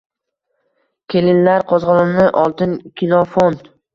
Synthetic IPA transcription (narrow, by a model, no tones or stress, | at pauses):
kʲʰelɪnlaɾqʰɒzʁɑnɪmnɪʔɒlˠt̪ɪnkʲʰilˠofond̪